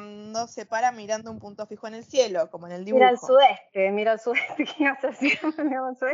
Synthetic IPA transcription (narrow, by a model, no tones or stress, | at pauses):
nd̪osepaɾamiɾand̪oumpunt̪o̞fixoene̞lsje̞lo̞ko̞moene̞ld̪iβiɾalsuðest̪emiɾalsuðeht̪ekemasasimemianlsue